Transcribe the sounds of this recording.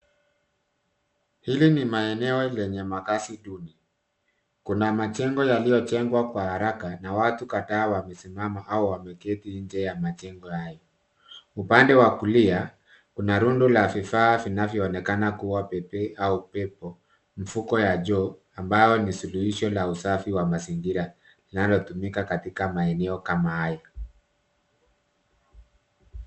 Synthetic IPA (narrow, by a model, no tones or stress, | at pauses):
hilinimaɛnɛɔlɛɲɛmakasiɗuni | kunamat͡ʃɛŋɡɔjalijɔt͡ʃɛŋɡwakwahaɾakanawatukataːwamɛsimamaʔauwamɛkɛtiɲd͡ʒɛjamat͡ʃɛŋɡɔhajɔ | upandɛwakulia | kunaɾundulavifaːvinavjɔːnɛkanakuwapɛpɛʔaupɛpɔ | m̩fukɔjaʄɔ | ambajɔnisuluhiʃɔlausafiwamaziŋɡiɾa | linalɔtumikakatikamaɛnɛɔkamahaja